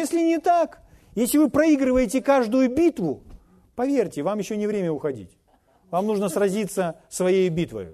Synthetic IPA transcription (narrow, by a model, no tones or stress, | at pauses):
jesʲlʲɪnʲɪt̪ak | jesʲlʲɪvɨpɾɐiɡɾɨvəjɪtʲɪkaʐd̪ʊjʊbʲit̪vʊ | pɐvʲerʲtʲɪvamjɪɕːonʲɪvɾʲemʲəʊxɐdʲḭtʲ | vamnuʐnəsrɐzʲit̪səsvɐjejʊbʲit̪və̰jʊ̰